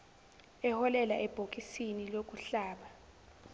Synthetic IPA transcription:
ɛhɔlɛlaʔɛb̥ʱok̬ʼisinilok̬ʼuɬaːɓa

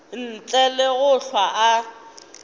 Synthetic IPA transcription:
n̩t͡ɬʼɛleɣʊɬwaʔa

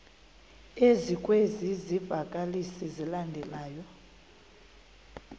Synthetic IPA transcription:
ezikʼwezizivakʼalisizilandʱɛlaːjɔ

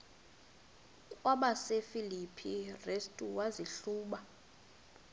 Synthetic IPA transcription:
kʼwaɓasefilipʰirestʼuwaziɬuːɓa

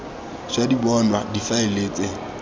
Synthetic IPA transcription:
ʃadibɔnwadifaɪleːt͡sʼe

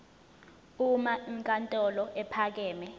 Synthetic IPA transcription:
umaiŋkʼantʼɔlɔʔɛpʰak̬ɛːmɛ

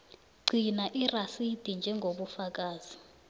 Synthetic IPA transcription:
ɡ͡ǀʱinaʔirasid̥ʱind͡ʒʱɛŋɡʱoɓufak̬ʼaːz̥i

